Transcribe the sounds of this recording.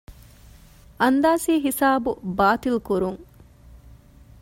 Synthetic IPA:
ʔɐnd̪aːsiːɦisaːbubaːt̪ilkuɾuŋ

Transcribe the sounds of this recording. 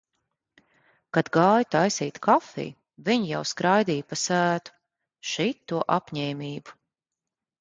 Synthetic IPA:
kad̪ɡaːjut̪ajsiːt̪kʰafḭj | viɲijawskɾajd̪iːjpasæːt̪u̥ | ʃit̪ːuɔʔapɲɛːmiːbu̥

